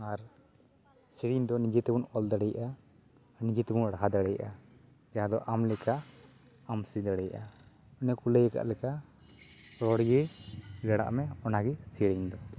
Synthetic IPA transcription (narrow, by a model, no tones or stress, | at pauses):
aɾ | siɽiɲd̪ɔnid͡ʒɛt̪ɛbunɔld̪aɽɛjʔaː | ɾnid͡ʒɛt̪ɛbunɽaɦad̪aɽɛjʔa | d͡ʒaad̪ɔʔamlɛka | amsid̪aɽɛjʔa | ɔnɛkulɛjɛka̰ʔlɛka | ɾɔɽɡɛɡaɽa̰ʔmɛɔnaɡɛsiɽiɲd̪ɔ